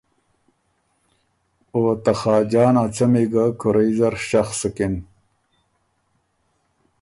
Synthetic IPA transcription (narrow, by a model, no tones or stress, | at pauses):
oːt̪ɐxaːd͡ʑaːnat͡sɐmiɡakoɾezɐɾɕɐxsekin